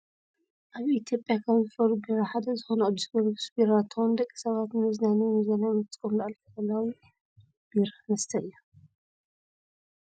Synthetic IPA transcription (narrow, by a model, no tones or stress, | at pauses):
ʔaβit̪ʰjo̞pʼːjakʰɐβzɨfɐɾubiɾaħad̪ɐzɨxonɐɐd̪ɨsɨfɐɾubɨsbiɾat̪ʰːɨxond̪ɐkʼːi̥sɐβat̪nɨmɐznanimɨzɐnajmɨt͡sʼkʼomlaʔalfɐkɐlːawi | b̥iɾnɐst̪ʰɐɨjːu